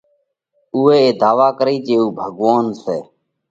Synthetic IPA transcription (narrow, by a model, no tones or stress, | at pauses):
uːeːeːd̪aːʋaːkəɾiːt͡ʃeːuːbʱəɠʋaːnseː